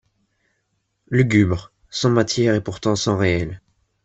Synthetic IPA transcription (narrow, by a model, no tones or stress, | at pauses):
lyɡʲybʁ | sɑ̃mat̪jɛʁepuʁt̪ɑ̃sɑ̃ʁeɛl